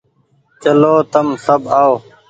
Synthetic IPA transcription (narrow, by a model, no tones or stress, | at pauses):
t͡ʃəloːt̪əmsəbʱaːoː